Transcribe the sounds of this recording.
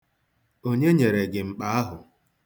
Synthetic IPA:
o˦ɲe˦ɲe˨ɾe˨ɡɪ˨ŋ͡m̩˨k͡pa˨˦a˦ɦʊ˨

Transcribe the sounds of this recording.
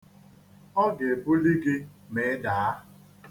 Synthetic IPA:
ɔ˦ɡe˨bʊ˦li˦ɡɪ˦me˨˦da˨a˦

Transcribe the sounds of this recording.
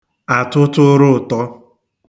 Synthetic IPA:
a˨tʊ˦tʊ˦ɾʊ˦˨tɔ˦

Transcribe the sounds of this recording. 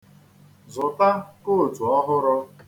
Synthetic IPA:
zʊ˨ta˦ko˦˨tu˨ɔ˦ɦʊ˦ɾʊ˦

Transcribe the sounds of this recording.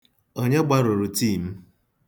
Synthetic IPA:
o˦ɲe˦ɡ͡ba˦ɾo˨ɾu˨ti˦˨m̩˦

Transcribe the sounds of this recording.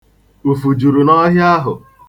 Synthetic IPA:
u˨fu˨d͡ʒu˨ɾu˨nɔ˦ɦja˦ɦʊ̰˨

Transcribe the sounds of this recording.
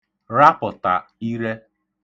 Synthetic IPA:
ɾa˦pʊ˨ta˨i˦ɾe˦

